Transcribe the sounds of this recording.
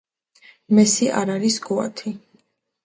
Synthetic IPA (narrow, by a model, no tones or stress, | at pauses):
mɛsiʔa̰ɾaɾisɡɔa̰t̪ʰi